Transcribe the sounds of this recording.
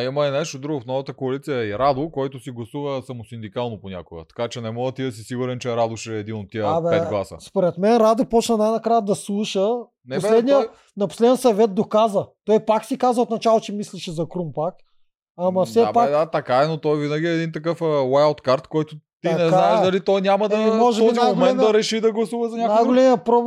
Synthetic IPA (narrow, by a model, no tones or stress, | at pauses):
imɐɛnɛʃt̪od̪ɾuɡʊfnɔvət̪əkoɐlit̪sijəɛiɾad̪okɔjt̪ʊsiɡlˠɐsuvəsɐmosind̪ikalˠnoponʲakoɡə̰t̪ɐ̥kat͡ʃɛnɛmɔɡət̪id̪ɐsisiɡʊɾɛnt͡ʃɛɾad̪ʊʃɛːd̪inot̪ːiəabɛɛɡlˠasə̰spoɾɛt̪mɛnɾad̪opɔt͡ʃnənajnɐkɾajəd̪ɐslˠuʃə | nɛposɛlɛd̪niə | nɐpo̥slɛd̪nʲijsɐvɛt̪̚d̪okazət̪ɔjpaksikazvəot̪nɐt͡ʃalˠot͡ʃɛmisliʃɛzɐkɾumpak | ɐmɐfssɛabpad̪at̪ɐkaɛnot̪ɔjvinɐɡʲiɛːd̪int̪ɐkɤfwajalt̪kaɾt̪kɔjt̪ʊt̪inɛzk̪naɛʃd̪ɐlit̪ɔjnʲamɐd̪ɐmɔʒɛɔzimomɛnnd̪ɐɾɛʃid̪ɐɡlˠɐsuvɐzɐnʲaknajɡolɛmijəpɾo